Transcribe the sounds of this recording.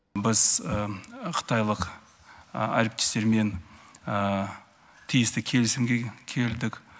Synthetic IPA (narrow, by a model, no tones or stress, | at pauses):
bɪz | qʰə̥t̪ɑjlˠəq | æ̰ɾɪp̚t̪e̥st̪e̞ɾme̞n | t̪ʰijɪst̪ɪkʲʰe̞lɪsɪmɡʲekʲʰe̞ld̪ɪkʲ